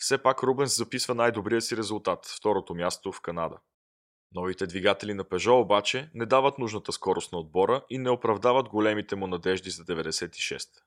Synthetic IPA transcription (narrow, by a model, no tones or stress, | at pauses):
fsɛpakɾɔbɛnszɐpisvənajd̪obɾijəsiɾɛzʊlˠt̪at̪ft̪ɔɾot̪omʲjast̪ofkɐnad̪ə̰ | nɔvit̪ɛd̪viɡat̪ɛlinɐpɛʒɔobat͡ʃɛnɛd̪avət̪nuʒnət̪əskɔɾʊst̪nɐod̪̚bɔɾəʔinɛopɾɐvd̪avəd̪ɡolɛmit̪ɛmʊnɐd̪ɛʒd̪izɐd̪ɛvɛd̪ɛsɛt̪i̥ʃɛ̰st̪